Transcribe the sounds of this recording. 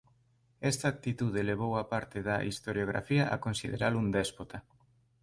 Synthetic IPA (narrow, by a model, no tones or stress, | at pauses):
ɛst̪aːk̚t̪it̪uð̞eleβ̞owapaɾt̪eðɐʔist̪oɾjoɣ̞ɾa̰fiɐʔa̰konsiðeɾalund̪ɛspot̪a